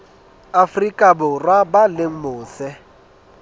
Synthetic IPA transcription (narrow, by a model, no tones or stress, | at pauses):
afrikʼabʊrwabaleŋ̩mʊːsɛ